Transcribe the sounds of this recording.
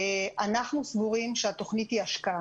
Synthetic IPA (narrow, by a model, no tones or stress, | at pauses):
ʔanaχnusvuʁimʃeat̪o̞χnit̪iaʃka